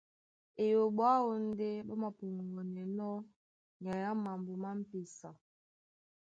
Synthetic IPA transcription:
e˨jo˨ɓwa˦o˦n̩˦de˦ɓɔ˦ma˨pu˨ŋ˨ɡo˨nɛ˨nɔ˦ | ɲa˨ja˦ma˨m˨bo˨ma˦m̩˦pi˨sa˨

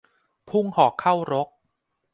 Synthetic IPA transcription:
pʰu˥˩ŋhɔː˨˩kʰːa˥˩wɾo˦˥k̚

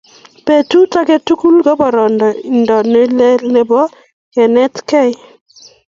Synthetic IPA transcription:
pe˨tu˦ta˦ke˦tu˦ku˦lɡɔ˦bɔ˨ɾɔ˨ndɔ˨i˨ndɔ˨ne˦le˦ne˨bɔ˦ | kɛ˨nɛ˦tkɛ˦ɪ˦

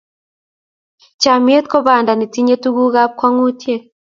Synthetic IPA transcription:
t͡ʃa˨mje˦t̪̚kɔ˦ba˨nda˨ni˨ti˦ɲe˦tu˦ɡu˦ɣa˦p̚kwa˦ŋu˦tje˦

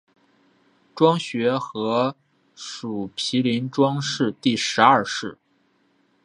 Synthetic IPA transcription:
ʈ͡ʂwɑ˥ŋɕɥɛ˧˥xɤ˧˥ | ʂu˨˩pʰi˧˥li˧˥nʈ͡ʂwɑ˥ŋʂɻ̩˥˧t̪i˥˩ʂɻ̩˧˥ɐ˥˩˧ʂɻ̩˥˩

